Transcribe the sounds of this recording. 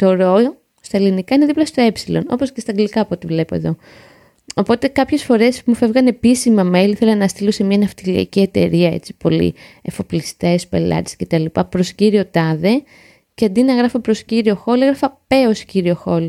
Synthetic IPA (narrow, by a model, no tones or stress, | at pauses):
t̪o̞ɾo̞o | st̪ɐelinikɐine̞ðiplɐst̪o̞e̞psilo̞no̞̰po̞scest̪ɐŋɡlikɐːpo̞t̪ivle̞po̞e̞̰ðo̞ | opo̞t̪e̞kɐpçe̞sfo̞ɾe̞smufe̞vɣɐne̞pisimɐme̞liiθelɐnɐst̪ilosemɲɐnɐft̪ilɐ̰icie̞t̪e̞ɾiɐe̞̰t͡si̥po̞lḭefo̞plist̪e̞spe̞̰lɐ̰t̪i̥sce̞t̪ɐlipɐpɾo̞sciɾio̞t̪ɐðe̞ | ceɐnd̪inɐɣɾɐfɐpɾo̞sciɾio̞xoleɣɾɐfɐpe̞osciɾio̞xo̞l